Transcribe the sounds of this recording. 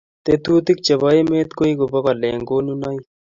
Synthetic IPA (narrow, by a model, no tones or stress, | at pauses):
t̪et̪uːt̪ik̚t͡ɕɐbaemeːt̪koiɡobɐkaleːŋɡoːnunai